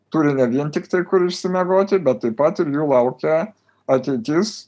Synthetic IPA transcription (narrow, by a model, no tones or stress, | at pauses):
t̪uɾʲɪnʲɛʋʲiɛnt̪ʲɪkt̪ɐɪkʊɾɪʃʲsʲɪmʲɛɡoːt̪ʲɪbʲɛt̪ːɐɪpɐt̪ɪɾjuːlˠɐʊkʲɛ | ɐt̪ʲɛɪt̪ʲɪs